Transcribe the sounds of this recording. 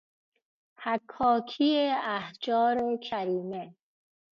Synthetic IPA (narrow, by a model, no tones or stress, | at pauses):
hækʰːɒːkʰijeæhd͡ʒɒːɾekʰæɾiːme